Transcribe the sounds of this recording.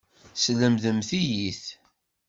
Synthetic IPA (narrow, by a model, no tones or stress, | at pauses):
sləmðəmθijiθ